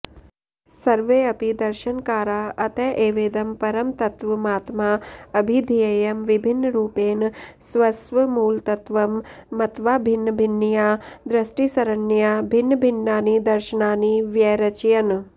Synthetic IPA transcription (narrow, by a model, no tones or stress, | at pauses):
sɐɾʋeːɐpid̪ɐɾʃɐnkaːɾaːɐt̪ɐʔeːʋeːd̪ɐmpɐɾɐmt̪ɐt̪ʋɐmaːt̪maːɐbʱid̪ʱijɐjɐmʋibʱinːɾuːpeːnsʋɐsʋɐmuːlt̪ɐt̪ʋɐmːɐt̪ʋaːbʱinːbʱinːijaːd̪ɾɐsʈisɐɾɐnːjaːbʱinːbʱinːaːnid̪ɐɾʃɐnaːniʋjɛːɾɐt͡ʃjɐn